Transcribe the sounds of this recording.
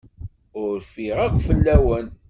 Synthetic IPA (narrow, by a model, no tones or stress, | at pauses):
ʊɾfiʁæqʷfəlːæwən